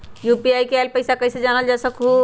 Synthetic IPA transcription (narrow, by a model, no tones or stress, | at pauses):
jupiajkealpəjsakəjsed͡ʒanəld͡ʒɛːsəku